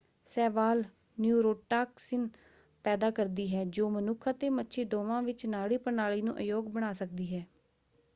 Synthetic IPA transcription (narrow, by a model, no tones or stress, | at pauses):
sɛːʋaːl | njuːɾoːʈaːksɪn | pɛːd̪aːkəɾd̪iːɦɛːd͡ʒoːmənʊkʰət̪eːmətːʃʰeːd̪oːʋãːʋɪt͡ʃnaːɽiːpənaːliːnũːʔəjoːɡbəɽ̃aːsək̚d̪iːɦɛː